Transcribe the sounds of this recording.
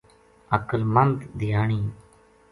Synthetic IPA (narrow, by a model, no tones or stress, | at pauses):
əkəlmənt̪d̪ɪjaːɳiː